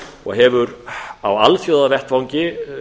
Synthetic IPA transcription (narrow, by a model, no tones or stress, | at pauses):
ɔ̰ɣɦɛvʏɾawalfjoːwðavɛht̪fawɲcɪ